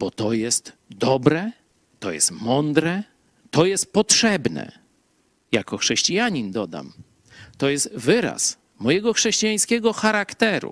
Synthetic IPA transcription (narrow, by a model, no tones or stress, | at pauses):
b̥ɔt̪ɔjɛst̪ | d̪ɔbɾɛ | t̪ɔjɛ̰st̪mɔnd̪ɾɛ | t̪ɔjɛst̪̚pɔtʂɛbnɛ̰ | jakɔxʂɛɕt͡ɕijaɲind̪ɔd̪a̰m | t̪ɔjɛst̪vɘɾa̰s | mɔjɛɡɔxʂɛɕt͡ɕijaj̃skʲɛɡɔxaɾakt̪ɛɾṵ